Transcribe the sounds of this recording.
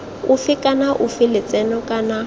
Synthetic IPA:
ʊfɪkʼanaʔʊfɪlɪt͡sʼɛnɔkʼana

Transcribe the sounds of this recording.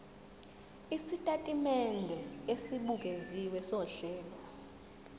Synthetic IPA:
isitʼatʼimɛndʱɛesiɓuɡ̬ʱeziwɛsɔɬɛːlwa

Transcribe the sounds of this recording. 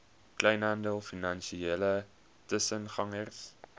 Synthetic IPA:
klɛjnɦɐndəlˠfinɐnʃieːlə | təsənχɐŋərs

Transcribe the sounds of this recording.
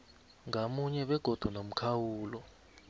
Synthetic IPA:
ŋʱamuɲɛɓɛɡ̥ʱɔd̥ʱwɔnom̩kʰawuːlɔ

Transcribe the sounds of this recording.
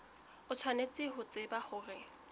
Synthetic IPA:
ʊt͡sʰwanet͡sʼɪhʊt͡sʼɪbaχʊːrɪ

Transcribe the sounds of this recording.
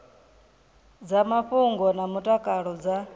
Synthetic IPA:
d͡zamaɸuŋɡɔnamutʼakʼaɺɔd͡za

